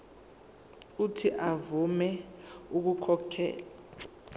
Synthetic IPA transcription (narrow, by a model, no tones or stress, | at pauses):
utʰiʔavumɛuk̬ukʰɔkʰɛ̰ːla